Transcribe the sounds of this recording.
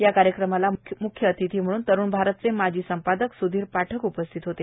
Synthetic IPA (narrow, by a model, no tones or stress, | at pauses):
jakaɾjəkɾəmalamukʰjəːt̪it̪ʰiːm̤əɽ̃uːnt̪əɾuːnbʱaɾət̪t͡semad͡ʑʱiːsəmpad̪əksud̪ʱiːɾpaʈʰəkupəst̪ʰit̪ɦot̪e